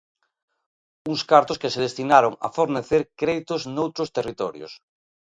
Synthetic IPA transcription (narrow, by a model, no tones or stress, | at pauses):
uŋskaɾt̪oskeseð̞est̪inaɾoŋa̰foɾneθeɾkɾeðit̪oznowt̪ɾost̪erit̪ɔɾjo̰s